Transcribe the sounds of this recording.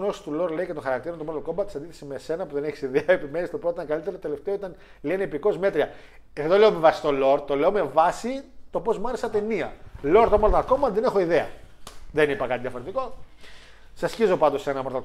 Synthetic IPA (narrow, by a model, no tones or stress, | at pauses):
nost̪ulo̞ɾle̞icet̪oxɐɾɐk̚t̪iɾont̪omlolkombɐt̪i̥sɐnd̪iθe̞sime̞se̞nɐpuðe̞neçisiðeɐɐepimenist̪opɾoitɐkɐlit̪eɾot̪ot̪ele̞ft̪e̞oit̪ɐn | lieneepiko̞zme̞t̪ɾiɐ | eððole̞ome̞vɐsi̥st̪o̞loɾt̪o̞le̞o̞me̞vɐsit̪o̞po̞zmɐɾesɐt̪e̞niɐlo̞ɾt̪omoɾðɐko̞mbɐnðe̞nexo̞iðeɐ̰ðenipɐkɐt̪inðjɐfo̞ɾet̪iko̞ | sɐsçizopɐnd̪o̞senɐmoɾðɐ